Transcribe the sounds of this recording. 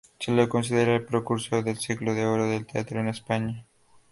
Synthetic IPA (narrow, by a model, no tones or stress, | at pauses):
selokons̬iðeɾaelpɾokuɾsoðelsikloðeoɾoðelt̪ea̰t̪ɾoenespaɲa